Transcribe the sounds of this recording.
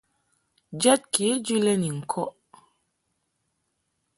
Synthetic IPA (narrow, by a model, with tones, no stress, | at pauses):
d͡ʒɛ˦t̚ki˨˦d͡ʒi˦lɛ˦ni˨ŋ̩˨kʰɔ˦